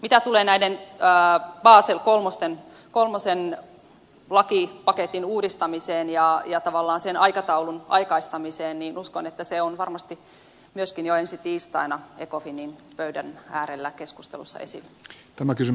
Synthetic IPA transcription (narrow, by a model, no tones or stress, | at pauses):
mit̪æt̪uleːnæidenəːb̥ɑːselkolmost̪en | kolmosen | lɑkipɑket̪inuːdist̪ɑmiseːnjɑjɑt̪ɑʋɑlːɑːnsenʔɑikɑt̪ɑulunʔɑ̰ikɑist̪ɑmiseːnniːnuskonet̪ːæseonʋɑrmɑst̪i | myøskinjoensit̪iːst̪ɑ̰inɑekofiniːnpøydænæːɾelːækeskust̪ḛlṵsːɑ̰ḛsḭlːæ | t̪æmækysy